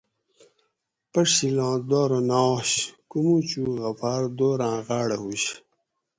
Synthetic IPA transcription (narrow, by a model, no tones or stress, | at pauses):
pɐʂilãːd̪oːɾonaɕkumut͡ɕuːɣɐpʰaːɾd̪oːɾãːʁaːɽeɦuɕ